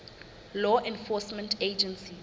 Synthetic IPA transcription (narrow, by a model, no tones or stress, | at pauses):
lɔʔɛ̃nfɔsmɛ̃ntʰed͡ʒɛ̃nsi